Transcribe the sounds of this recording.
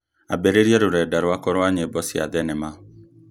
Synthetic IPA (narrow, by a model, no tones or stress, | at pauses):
abeɾeɾiɛɾʊɾɛdaɾʊakɔɾɔaɲebɔsia̰dɛnɛma